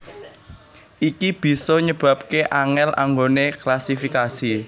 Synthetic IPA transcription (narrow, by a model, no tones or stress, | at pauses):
ʔikib̥i̤sɔɲəb̥ä̤p̚keʔaŋɛla̰ŋɡoneklasifikasi